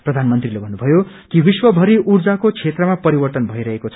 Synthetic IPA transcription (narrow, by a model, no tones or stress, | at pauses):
prʌd̪ʱanmʌnt̪rilebʱʌnːubʱʌjo | kibiswʌbʱʌɾiʔurd͡zakot͡sʰet̪rʌmapʌɾibʌrt̪ʌnbʱʌiɾʌɦekot͡sʰʌ